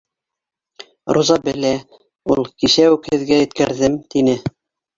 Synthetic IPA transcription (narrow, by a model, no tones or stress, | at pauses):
ɾuzɑbɘ̆læ | ulˠkiʃæʉkhɘ̆ðɡæjɘ̆t̪kæɾðɘmt̪inɘ